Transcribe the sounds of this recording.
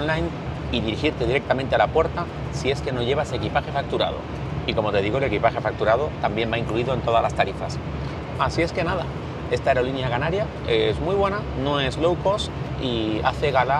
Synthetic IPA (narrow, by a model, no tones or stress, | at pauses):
nlajn | iðiɾixiɾt̪e̞ð̞iɾe̞k̚t̪amẽ̞nt̪̬ealapwe̞ɾt̪a | sie̞ske̞no̞ʝe̞β̞asekipaxe̞fak̚t̪uɾa̰ð̞o̞̰ | iko̞mo̞t̪e̞ð̞iɣ̞ole̞kipaxe̞fak̚t̪uɾað̞o̞t̪ambje̞mbaiŋkluiðo̞e̞nt̪o̞ðalast̪aɾifa̰s | asie̞ske̞nað̞a̰ | e̞st̪aeɾo̞linjakanaɾja | ezmwuijβ̞we̞nano̞ezlo̞wko̞s | ia̰θe̞ɣala